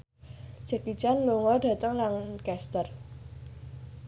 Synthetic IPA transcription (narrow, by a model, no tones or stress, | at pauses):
d͡ʒ̥aki̥t͡ʃanloŋɔɖä̤t̪əŋlaŋkɛst̪ər